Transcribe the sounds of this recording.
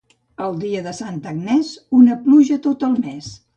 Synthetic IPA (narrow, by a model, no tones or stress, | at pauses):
əlˠd̪iəðəsant̪əɡnɛzunəpluʒət̪ot̪əlˠmes